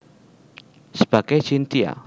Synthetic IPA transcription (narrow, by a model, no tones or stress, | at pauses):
sə̥b̥ä̤ɡ̥ajt͡ʃint̪ia̰